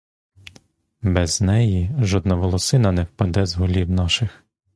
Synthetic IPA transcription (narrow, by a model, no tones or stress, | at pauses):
bɛznɛjiʒɔd̪̚nɐʋɔlˠɔsɪnɐnɛwpɐd̪ɛzɦʊlʲiwnaʃɪx